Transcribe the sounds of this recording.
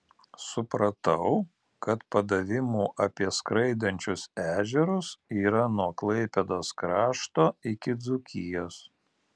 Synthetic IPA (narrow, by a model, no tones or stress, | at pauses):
sʊpɾɐt̪ɐʊ | kɐt̪pɐd̪ɐʋʲɪmuːʔɐpʲiɛskɾɐɪd̪ɐnʲt͡ʃʲʊsæːʒʲɛɾʊsiːɾɐnuɔklˠɐɪpʲɛd̪oːskɾɑːʃt̪oːɪkʲɪd̪zʊkʲɪjoːs